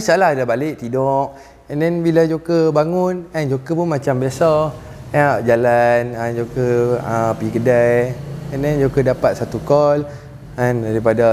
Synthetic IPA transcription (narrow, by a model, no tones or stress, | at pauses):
salaɦdabalɪʔt̪idɔʔ | ɛ̃ndɛnbilad͡ʒokəbaŋʊnɛ̃nd͡ʒokəpunmat͡ʃambiasa | ɛnaʔd͡ʒalanɛ̃nd͡ʒokəəpikədajɛ̃ndɛnd͡ʒokədapat̪̚sat̪ukɔl | ɛ̃ndaɾipada